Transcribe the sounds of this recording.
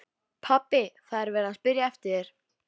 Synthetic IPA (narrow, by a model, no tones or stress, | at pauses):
pʰapːɪθaðɛɾvɛːɾaðspɪɾjaɛft̪ɪɾ̥